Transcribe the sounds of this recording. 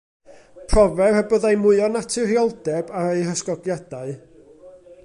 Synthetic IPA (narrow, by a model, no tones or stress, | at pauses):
pʰrɔvɛrhɛbɔðajmʊɨɔnatʰɨɾjɔlˠdɛbaɾejrəskɔɡjad̥aɨ